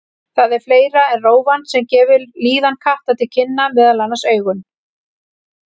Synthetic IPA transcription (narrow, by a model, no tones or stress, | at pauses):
θaðɛɾfleːjɾaɛnroːwvansɛmcɛːvʏɾliːðankʰaht̪at̪ʰɪlcʰɪnːavɛðalanaseːɥɣʏn